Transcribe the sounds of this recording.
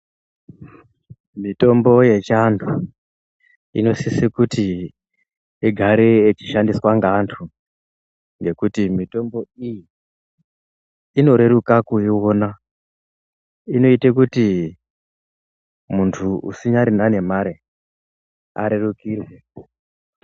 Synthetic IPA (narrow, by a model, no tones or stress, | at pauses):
mito̞mbo̞je̞t͡ʃantʰu | ḭno̞sisikuti | eɡʱaɾeːt͡ʃiʃandiswaŋɡantʰu | ŋɡe̞kutimito̞mbo̞iji | ino̞ɾe̞ɾukakuiwo̞na | ino̞itek̬uti | muntʰuṵsiɲaɾinane̞maɾe | a̰ɾe̞rukiːrwe̞